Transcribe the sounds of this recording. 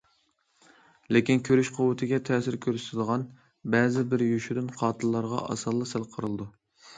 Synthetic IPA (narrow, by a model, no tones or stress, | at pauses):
lekʲinkʲʰøɾyʃqʰʊwɨt̪ʰɪɡʲɛt̪ʰɛːsɪɾkʲʰøɾsʰɪd̪əʁɑn | bɛːzɪbɪɾjyʃyɾynqʰɑːt̪ʰɨlˠːɑɾʁɑ̰ʔɑ̰sɑlˠːɨsɪlˠqʰəɾɨlˠd̪u